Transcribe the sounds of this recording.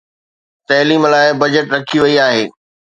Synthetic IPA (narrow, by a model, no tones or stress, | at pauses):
t̪ɐːliːmlaːɪbɐd͡ʑəʈɾɐkʰiʋɐiaːɦeː